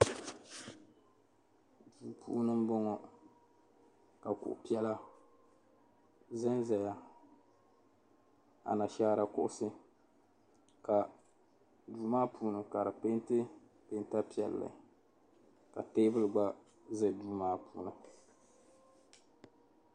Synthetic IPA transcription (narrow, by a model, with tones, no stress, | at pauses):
duː˨pʰṵː˦nɨ˦m˦bɔ˦ŋɔ˨ | ka˨kʊ̰˨ʔʊ̰˨pi˦ɛ˦la˦ | za˦nza˨ja˦ | a̰˨na˨ʃaː˦ɾa˨kʊ̰˦ʔʊ˦sɨ˦ | ka˨ | duː˨maː˦pʰuː˦nɨ˨ka˨ɾɨ˨pe˦ntɨ˦ | pe˦nta˦pi˦ɛ˨lːɨ̰˨ | ka˨teː˦bɨ˦lɨ˨ɡ͡ba˦ | zɨ˦˨duː˦maː˦puː˦˨nɨ˨